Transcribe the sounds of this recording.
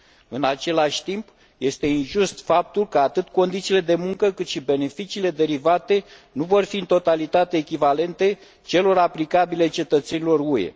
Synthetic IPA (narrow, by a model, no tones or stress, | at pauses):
ɨnat͡ʃe̞laʃʲt̪imp | je̞st̪e̞inʒust̪fap̚t̪ulkəat̪ɨt̪ko̞nd̪it̪siːle̞d̪e̞muŋkəkɨt̪ʃibe̞ne̞fit͡ʃiːle̞d̪e̞ɾivat̪e̞nuvo̞rfiɨnt̪o̞t̪alit̪at̪eːkʲivale̞nt̪e̞ | t͡ʃe̞lo̞ɾaplikabile̞t͡ʃe̞t̪ət̪se̞nilo̞rue̞̰